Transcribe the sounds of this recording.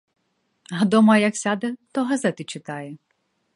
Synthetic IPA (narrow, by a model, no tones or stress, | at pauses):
ɦɐd̪ɔmɐjɐksʲad̪ɛt̪ɔɦɐzɛt̪ɪt͡ʃɪt̪ɑjɛ